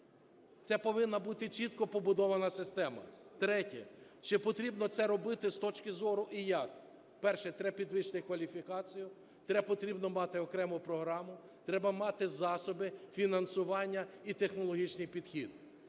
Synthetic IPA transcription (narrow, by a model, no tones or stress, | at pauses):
t̪sɛpɔʋɪnːɐbut̪ɪt͡ʃit̪kɔpɔbʊd̪ɔʋɐnɐsɪst̪ɛmɐ̰t̪ɾɛtʲɛ̰ | t͡ʃɪpɔt̪ɾʲibnɔt̪sɛɾɔbɪt̪ɪst̪ɔt͡ʃkɪzɔɾʊʔijɐk | pɛrʃɛt̪ɾɛpʲid̪ʋɪʃt̪ɪkʋɐlʲifʲikɑt͡sʲijʊ | t̪ɾɛpɔt̪ɾʲibnɔmɑt̪ɪɔkɾɛmʊpɾɔɦɾɑmʊ | t̪ɾɛbɐmɑt̪ɪzɑsɔbɪfʲinɐnsʊʋɑnʲːɐit̪exnɔlˠɔɦʲit͡ʃnɪjpʲid̪xʲid̪